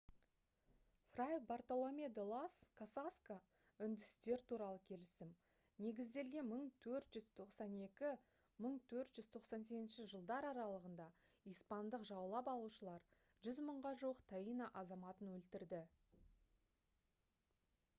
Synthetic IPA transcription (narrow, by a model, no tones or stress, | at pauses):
frajbart̪olˠomʲed̪olˠaskʰasaska | ʏnd̪ɪst̪e̞ɾt̪ʰuɾɑlˠəkʲʰe̞lɪsɪm | ne̞ɡʲɪzd̪e̞lɡʲe̞məɴt̪ʰɵɾt̪ʒ̥ʏzt̪ʰo̞qsɑne̞kʲɪ | məɴt̪ʰɵɾt̪ʒ̥ʏzt̪ʰo̞qsɑns̬e̞kʲɪnʃɪʒəlˠd̪ɑɾɑɾɑlˠəʁənd̪ɑ | ijspɑnd̪əqʒɑwlˠɑpɑlˠuʃəlˠɑɾ | ʒʏzməɴʁɑʒuwəqt̪ʰɑinɑʔɑzɑmɑt̪ənwɵlt̪ɪɾd̪ɪ